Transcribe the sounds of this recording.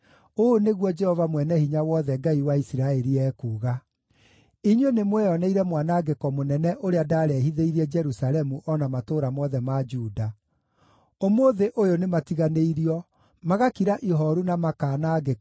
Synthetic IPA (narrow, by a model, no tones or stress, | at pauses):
oneɣwɔd͡ʒɛhɔvamwɛnɛhiɲawɔðɛɡaiwaisiɾaeɾiɛːkuːɣa | iɲwenemwɛjɔnɛiɾɛmwanaːɡekɔmonɛnɛʔoɾeadaːɾɛɦiðeiɾiɛd͡ʒɛɾusalɛmuʔɔnamatoːɾamɔðɛmad͡ʒuːda | omoðeʔojonematiɣaneiɾiɔ | maɣakiɾaʔiɦɔɾunamakaːnaːɡe